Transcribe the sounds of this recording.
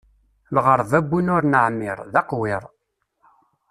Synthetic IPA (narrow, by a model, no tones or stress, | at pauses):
lʁəɾˤvæbːunʊɾnəʕmːɪɾˤðɑqwɪɾˤ